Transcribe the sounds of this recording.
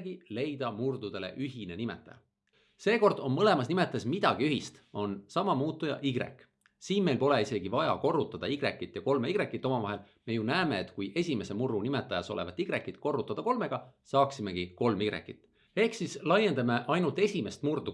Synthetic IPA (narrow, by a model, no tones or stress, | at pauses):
ɡ̥ile̞jd̪̥ɑmurd̪̥ud̪̥e̞le̞̰ʔyɦine̞nime̞t̪ːˑɑ̰jɑ | se̞ːko̞rd̪̥o̞nmɤle̞mɑsnime̞t̪ːˑesmid̪̥ɑɡ̥iyɦist̪o̞nsɑmɑmuːt̪ːˑujɑ̰ʔiɡ̥ɾḛkːˑ | siːnme̞jlpo̞le̞ise̞ɡ̥ivɑjɑ̰ko̞rːut̪ːˑɑd̪̥ɑiɡ̥re̞kːˑit̪ːˑjɑko̞lmeiɡɾe̞kːˑit̪ːˑo̞mɑvɑɦe̞lme̞junæːme̞et̪kujʔe̞sʲime̞se̞murːunime̞t̪ːˑɑjɑso̞lʔe̞̰vɑt̪ːiɡ̥ɾe̞kːˑit̪ko̞rːut̪ːˑɑd̪̥ɑko̞lme̞ɡ̥ɑsɑːksime̞ɡ̥iko̞lmiɡɾḛkːˑit̪ | e̞hksislɑje̞nd̪̥ɑme̞ʔɑjnult̪e̞sʲime̞st̪murd̪u